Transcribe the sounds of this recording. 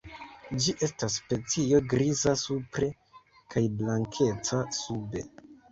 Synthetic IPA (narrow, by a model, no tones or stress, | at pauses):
d͡ʒiʔe̞stasːpe̞t͡sio̞ɡɾizasupɾe̞ | kʰajblaŋkʰe̞t͡sasube̞̰